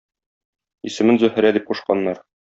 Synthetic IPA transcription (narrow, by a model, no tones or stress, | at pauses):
isɘ̆mɘnzɵ̆hɘ̆ɾæd̪ip̚quʃqɑnːɑɾ